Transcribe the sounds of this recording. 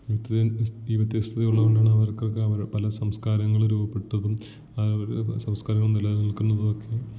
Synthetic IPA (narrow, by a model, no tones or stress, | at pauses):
iʋɐt̪ːɐðeiːʋɐt̪ːjɐst̪ʰɐðɐjuɭːɐɣoɳɖaːɳɨɐʋɐrkːokːɨɐʋɐɾpɐlɐsɐmskaːɾɐŋːɐɭɾuːbɐpːe̞ʈːɐðum | ɐɐɾsɐmskaːɾɐŋːɐɭunːilːanilkːunːɐðuokːe